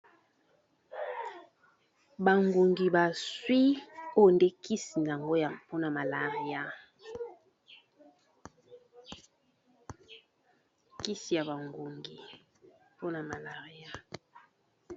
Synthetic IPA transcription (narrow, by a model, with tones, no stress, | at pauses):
ba˨ŋɡu˨ŋɡi˨ba˨swi˦o˦nde˦kʰi˦si˨n˨a˨ŋɡo˦ja˨po˦na˨ma˨la˨ʁi˦ja˦ | ki˦si˨ja˨βa˨ŋɡu˨ŋɡi˨ | po˦na˨ma˨la˨ʁi˦a˦